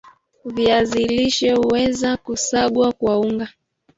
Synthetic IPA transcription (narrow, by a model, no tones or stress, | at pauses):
viaziliʃɛhuwɛzakusaɠwakwauŋɡa